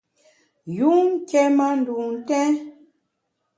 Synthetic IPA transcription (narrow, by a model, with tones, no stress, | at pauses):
ju˦ŋ˦kɛ˦ma˦n̩˨du˨n̩˨tɛ̃˦